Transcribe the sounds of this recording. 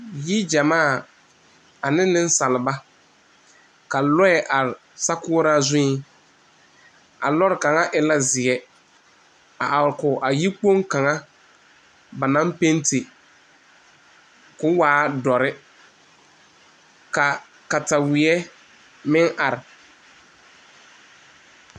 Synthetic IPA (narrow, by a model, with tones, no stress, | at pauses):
ji˦d͡ʒa˨maː˦˨ | a˨nɪ˦nɪ˦n˦sa˨lɪ˨ba˦ | ka˨lɔ˦ɛ˨ʔa˨ɾɪ˨ | sa˦kʊː˦ɾa˦zʊ̃˦i˦ | a̰˨lɔ˦ɾɪ˨ka˨ŋa˦ʔɪ˨la˦zɪ˨ɛ˦ | a̰˨ʔa˨ɾkʊ˨ʔa˨ji˦k͡po˦ŋka˨ŋa˦ | ba˨na˦mpe˦ntɪ˨ | kʊ˦waː˦dɔ˨ɾɪ˦ | ka˨ | ka˨ta˨wɪ˨ɛ˦ | mɪ˦ŋʔa˨ɾɪ˨